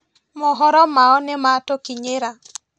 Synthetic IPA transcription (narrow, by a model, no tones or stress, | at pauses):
mɔɦɔɾɔmaɔnɪmatokiɲeɾa